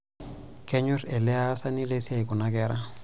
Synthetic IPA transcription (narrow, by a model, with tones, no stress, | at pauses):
kɛ˦ɲʊ˦rɛ˨lɪ˦a˦sa˦nɪ˦le˦si˦a˨i˨kʊ˨nakɛɾa˦